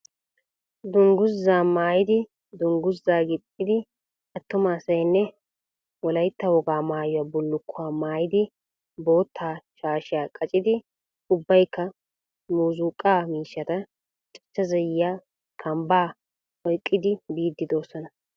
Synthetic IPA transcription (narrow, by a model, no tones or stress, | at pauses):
d̪ʊŋɡʊzːaːmaːjɪd̪ɪ | d̪ʊŋɡʊzːaːɡɪtʼːɪd̪ɪ | ʔɐt̪ːʊmaːsɐjnːɛ | wɔlɐjt̪ːɐwɔɡaːmaːjʊwabɔlːʊkʰːʊaːmaːjɪd̪ɪ | bo̞ːt̪ʰːaːʃaːʃɪjaːkʼɐt͡ʃʼɪd̪ɪ | ʊbːɐjkːɐ | muːzuːkʼːaːmiːʃːɐt̪ɐ | t͡ʃʼɪ̥t͡ʃːɐzɛjːaː | kʰɐmbaː | ɔjkʼːɪd̪ɪbiːd̪ːɪd̪o̞ːsɔnɐ